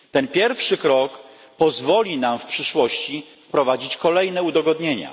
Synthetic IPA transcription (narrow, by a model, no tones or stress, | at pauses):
t̪ɛnpʲjɛɾfʂɘkɾɔk | pɔzvɔlʲinamfpʂɘʂwɔɕt͡ɕifpɾɔvad͡ʑit͡ɕkɔlɛjnɛud̪ɔɡɔd̪ɲeɲa̰